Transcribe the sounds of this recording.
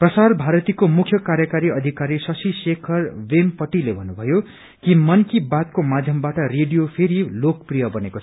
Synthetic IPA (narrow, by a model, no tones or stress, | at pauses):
prʌsarbʱaɾʌt̪ikomukʰjʌkaɾjʌkaɾiʌd̪ʱikaɾisʌsisekʰʌrwempʌʈilebʱʌnːubʱʌjo | kimʌnkibat̪komad̪ʱjʌmbaʈʌreɖijopʰeɾilokprijʌbʌneko